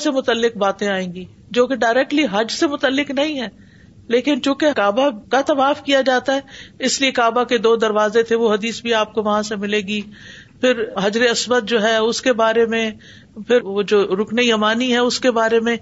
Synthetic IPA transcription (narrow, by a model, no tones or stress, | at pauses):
semʊt̪əlːɪk̚baːt̪ẽaːẽːŋɡiː | d͡ʒoːkeɖaːɪɾɛːk̚ʈliɦɐd͡ʒsemʊt̪əlːɪknɐɦĩɦɛ̃ː | leːkɪnt͡ʃũːkekaːbakat̪ɐmaːfkijad͡ʒaːt̪aɦɛːɪsliekaːbaked̪oːd̪ɐɾʋaːzet̪ʰeʋoɦɐd̪iːsbʱiaːp̚koʋɐɦãsemɪleːɡiːpʰɪɾɦɐd͡ʒɾeɐsʋət̪̚d͡ʒoːɦɛʊskebaːɾemẽ | pʰɪɾod͡ʒoːɾʊkneijɐmaːniɦɛʊskebaːɾemẽ